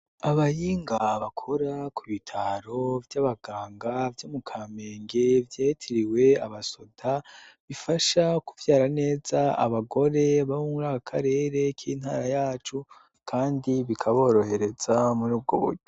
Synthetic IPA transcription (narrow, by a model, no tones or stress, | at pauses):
aβajiːŋɡaβakʰo̞ɾakʰuβitʰaɾo̞vjaβaɡ̥aːŋɡavjoːmukʰaːme̞ːŋɡevjetʰiɾiwe̞aβaso̞daβifaʃakuvjaːɾane̞ːzaa̰βaɡo̞ɾe̞βaβomuɾaːkakʰaɾe̞ːɾe̞kʰiːn̥ha̰ːɾajaːt͡ʃu | kʰaːndiβikʰaβo̞ːɾo̞he̞ɾe̞z̥amuɾuːb̚ɡoβṵɟo